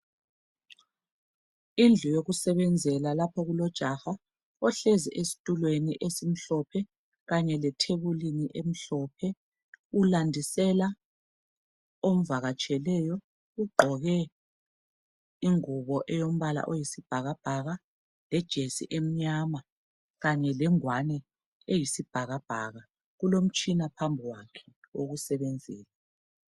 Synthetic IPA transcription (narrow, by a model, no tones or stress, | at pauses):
ind͡ɮʱujoɣusɛβɛnd͡zʱɛlalapʰɔɣulɔd̥ʒ̥ʱaha | ɔɬɛzɛ̰ʔesi̥tʼulweniʔesim̩ɬɔpʰɛ | ɣaɲɛlɛtʰeβuliniʔem̩ɬɔpʰɛ | ulandʱisɛla | om̩vaɣat͡ʃʼʰɛlɛjɔ | uɡ͡ǃʱɔɣɛ | iŋuβɔʔɛjom̩βala̰ʔojisib̥ʱaɣab̥ʱaɣa | lɛd̥ʒ̥ʱesḭʔem̩ɲama | ɣaɲɛlɛŋwanɛ | ejisib̥ʱaɣab̥ʱaɣa | ɣulom̩t͡ʃʼinapʰambʱiwakʰɛ̥ | oɣusɛβend͡zʱiːla